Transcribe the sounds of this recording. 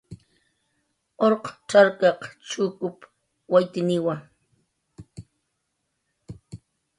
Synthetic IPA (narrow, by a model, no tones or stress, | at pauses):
oɾqʈ͡ʂaɾkɑqt͡ʃuːkʊp | wajt̪ɪnɪwaŋ